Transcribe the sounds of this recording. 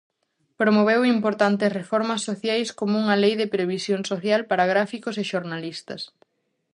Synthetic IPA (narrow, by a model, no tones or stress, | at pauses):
pɾomoβ̞ewimpoɾt̪ant̪ɪsrefɔɾmɐsːoθjajskomouŋɐlejðɪpɾeβ̞isjoŋsoθjalpaɾaɣɾafikosɪʃoɾnalist̪ɐs